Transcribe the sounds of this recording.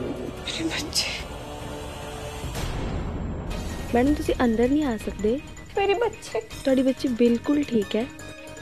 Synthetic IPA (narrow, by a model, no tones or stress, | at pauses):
meːɾebətːʃe̥ː | mɛːnʊmt̪ʊsĩːʔə̃nd̪əɾnĩːaːsəkd̪eː | meːɾebətːʃeːt̪ʊaːɖiːbətːt͡ʃibɪlkʊlʈʰiːkɦɛː